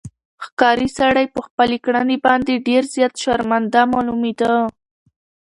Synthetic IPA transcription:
xkɑɾisaɽajpəxpalikɽanibɑnd̪eɖeɾzjɑt̪ʃɑɾmand̪amɑlumid̪a

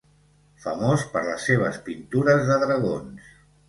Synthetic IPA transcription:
fəmospəɾləsːeβ̞ə̰spint̪uɾəzðəðɾəɣ̞ons

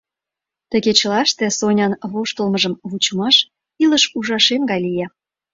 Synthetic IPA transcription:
t̪ə̆ɣet͡ɕəlɑʃt̪ĕsonʲɑnβoʃt̪əlməʒəmβut͡ɕmɑʃ | iləʃuʒɑʃemɡɑjlijɑ

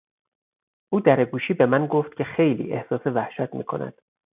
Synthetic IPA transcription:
ʔuːd̪æɾeɡuːʃiːbe̞mænɡoft̪̚cʲʰe̞xe̞jlḭːʔehsɒːsevæhʃæt̪ʰmiːkʰo̞̰næ̰d̪̥

